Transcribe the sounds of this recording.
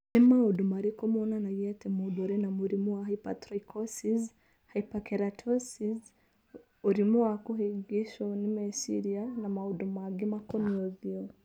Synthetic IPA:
ɛmaudumaɾikɔmɔnanajɛtɛmubɔɾɛnamuɾimuahaipa̰tɾɔikʰɔsiz | haipakɛɾatʰɔsiz | uɾimuakuɦiɡiʃɔnimɛsḭɾianamaudumaɡimakɔnɔðjɔ

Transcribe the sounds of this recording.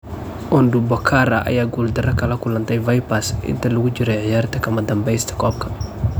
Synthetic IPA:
ʔɔnd̪ubɔkʰaːɾɐʔɐ̰jaːɡuːld̪ɐɾɐkʰɐlɐkʰʊlɐnt̪ʰɛjvɐjpɐsʔɪ̰nt̪ʰɐlɐɣʊt͡ʃɪɾɛjʕɪjaːrt̪ʰɐkʰɐmɐd̪ɐmbɛjst̪ʰɐ̥kʰɔːb̚kʰɐ̥

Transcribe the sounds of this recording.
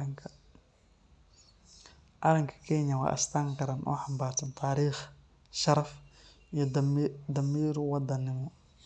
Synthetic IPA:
ʔaɾɐŋkʰɐ̥kʰɛɲɐwa̰ːʔɪ̰st̪ʰaːŋkɐɾanʔṵːħambaːɾt̪ɐnt̪ʰaːɾiːx | ʃɐɾɐf | d̪ɐmiːɾwɑd̪ɐnːɪmɔ

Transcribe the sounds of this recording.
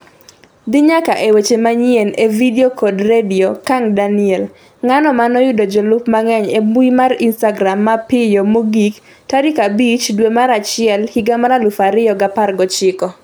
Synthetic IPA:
d̪ɪɲakaʔewet͡ʃemaɲjenʔevideokodrediokaŋdanɪɛl | ŋanɔmanɔjʊdod͡ʒɔlʊpmaŋɛɲebuimarinstaɡɾamːapɪjomoɡik | taɾɪkabit͡ʃdwemaɾat͡ʃɪɛlhiɡamaɾalʊfaɾɪjɔɡaparɡɔt͡ʃɪkɔ

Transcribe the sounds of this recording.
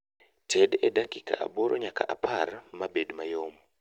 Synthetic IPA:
tʰɛdɛdakika̰ʔa̰boɾʔɔɲaka̰ʔapʰarmabedmajomɔ

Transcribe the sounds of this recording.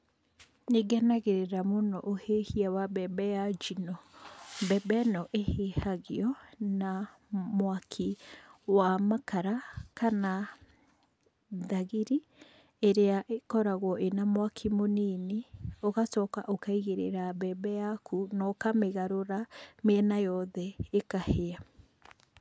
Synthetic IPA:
neɡɛnaɣeɾeɾamonɔʔohehiawabɛbɛjad͡ʒinɔmbɛbɛnɔʔehehaɣeɔna | mwakʰiwamakaɾakana | ðaɣiɾi | eɾeaʔekɔɾaɣwɔʔenamwakʰimonineoɣasɔːkaʔokaiɣeɾḛɾabɛbɛjakʰunɔkameɣaɾoɾameɛnajɔðɛekahea

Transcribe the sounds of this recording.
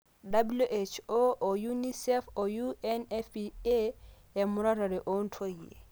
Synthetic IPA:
dabuluʔet͡ʃoʔojunisɛfojuɛnɛfie | ɛmuɾaɾaɾɛʔɔntʰojːḛ

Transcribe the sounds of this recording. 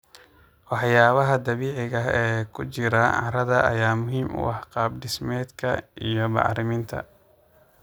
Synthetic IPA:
wɑħjaːβɐɦɐd̪ɐβiːʕɪɣɐɦɛːkʰʊt͡ʃɪɾɐʕɑ̰ɾɐðɐʔɐ̰jaːmʊɦiːmʔʊ̰wɑħqɑːbɖɪsmɛːd̪kʰɐijɔmɑ̰ʕɾɪmɪnt̪ʰɐ̰

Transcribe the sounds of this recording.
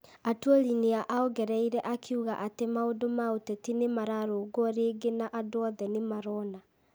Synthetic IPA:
atwolineaʔaoɣɛɾɛiɾɛʔakʰiuɣaʔatemaodomaotɛtinemaɾaɾoɡoɔɾeːɡenaʔadoɔðɛnemaɾɔna

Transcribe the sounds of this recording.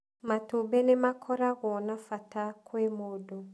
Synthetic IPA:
matobenemakʰɔɾaɣɔnafatakʰwemodo

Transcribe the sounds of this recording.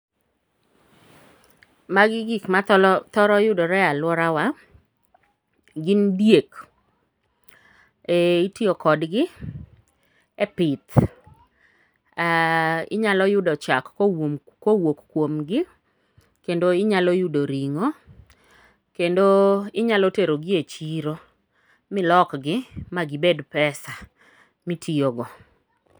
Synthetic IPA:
maɡɪɡikmat̪ɔɾɔjʊdɔɾɛalwɔɾawa | ɡɪndjek | ɛitiokɔdɡɪ | ɛpɪt̪ | aɪ̰ɲalɔjʊdɔt͡ʃakːoomkowokkwomɡɪ | kendoɪɲalɔjʊdoɾiŋo | kendoɪɲalɔteɾoɡɪet͡ʃiɾo | mɪlɔkɡɪmaɡɪbedpɛsa | mitʰioɡɔ

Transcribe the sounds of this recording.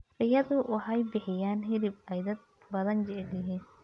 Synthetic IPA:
rɪjɐðʊʔʊħɐjbɪħɪjaːnɦɪd̪ɪbɛjd̪ɐd̪̚ | bɐðɐnd͡ʒɛd̪ɪɦiːn

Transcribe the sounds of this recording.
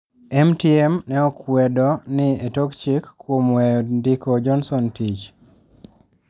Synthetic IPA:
ɛmtiɛmnɛɔkwɛdɔnɪetokt͡ʃikːwomwɛɔndikod͡ʒɔnsɔntit͡ʃ

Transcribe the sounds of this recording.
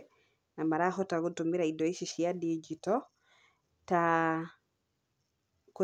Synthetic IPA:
namaɾaxɔtaɡutumiɾaidɔiʃiʃijadid͡ʒitɔ | ta | ko

